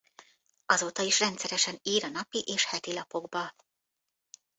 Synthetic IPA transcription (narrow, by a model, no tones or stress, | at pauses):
ɒzoːt̪ɒiʃrɛnt̪sɛɾɛʃɛniːɾɒnɒpiʔeːʃhɛt̪ilɒpo̞ɡbɒ